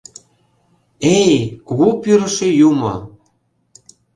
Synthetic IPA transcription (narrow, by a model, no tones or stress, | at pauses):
ejkoɣopyɾə̆ʃĕjumo̰